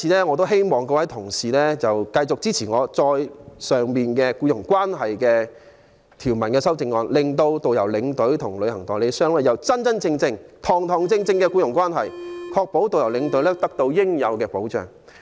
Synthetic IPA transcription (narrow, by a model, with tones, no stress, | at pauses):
iː˨˧˥lɛː˥ŋɔː˨˧t̪̬o˥wɦe˥jmɔː˨˩ŋkɔː˧wɐ˨˥jt̪ʰʊ˨˩ŋsiː˨˩lɛː˥t͡sɐ˨wkɐ˧jt͡sʊ˨k̚t͡siː˥t͡sʰiː˨˩ŋɔː˨˧t͡sɔː˧jsœː˨˩ŋmiː˨nkɛː˧kuː˧jʊ˨˩ŋkwaː˥nɦɐ˨jkɛː˧ | t̪ʰiː˨˩wmɐ˨˩nkɛː˧sɐ˥wt͡sɪ˧ŋːɔː˧nlɪ˨ŋt̪̬o˧wt̪o˨wjɐ˨˩wlɪ˨˧ŋt̪ɵ˨˥ɥt̪ʰʊ˨˩ŋlɵ˨˧ɥhɐ˨˩ŋt̪ɔː˨˩ŋle˨˧jsœː˥ŋlɛː˥˩jɐ˨˧wt͡sɐ˥nt͡sɐ˥nt͡sɪ˧ŋt͡sɪ˧ŋt̪ʰɔː˨˩ŋt̪ʰɔː˨˩ŋt͡sɪ˧ŋt͡sɪ˧ŋkɛː˧kuː˧jʊ˨˩ŋkʷwaː˥nɦɐ˨jkʰɔː˧k̚po˨˥wt̪o˨wjɐ˨˩wlɪ˨˧˥ŋt̪ɵ˨˥lɛː˥t̪ɐ˥k̚t̪o˧wjɪ˥ŋjɐ˨˧wkɛː˧po˨˥wt͡ʃœ̰ː˨˩ŋ